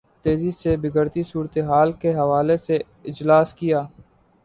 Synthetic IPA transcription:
t̪eːzisebɪɡəɾt̪isuːɾt̪eɦaːlkeɦɐʋaːlese | ɪd͡ʒlaːskɪjaː

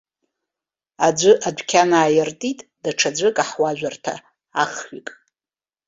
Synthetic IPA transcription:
ad͡ʒʷɨʔadʷᶣkʲʰanaːjɪrtʼitʼd̥aʈ͡ʂʰad͡zʷɨkʼaħwaʒᶣʷartʰa̰ː | χɥikʼ

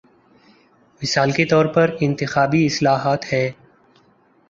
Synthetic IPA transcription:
mɪsaːlket̪ɔːɾpɐɾɪ̃nt̪ɪxaːbiɪslaːɦaːt̪hɛː

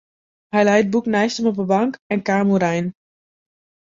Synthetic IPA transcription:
hɛjlɛjd̚buknɛjstəmɔpəbɑŋkɛnkaːmuɾɛjn

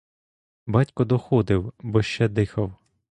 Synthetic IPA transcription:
bɑtʲkɔd̪ɔxɔd̪ɪwbɔʃt͡ʃɛd̪ɪxɐw

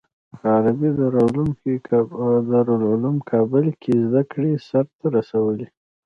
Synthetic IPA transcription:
xɑɾabid̪ɾlum | d̪əɾolʊlumkʰɑbəlkʰezd̪akɽesaɾt̪aɾasawəli

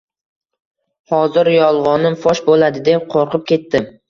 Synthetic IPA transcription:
hɒzɪɾjɒlˠʁɒnɪmfɒʃbolad̪ɪd̪e̞p̚qʰoɾqʰɨp̚kʲe̞t̪ːɪ

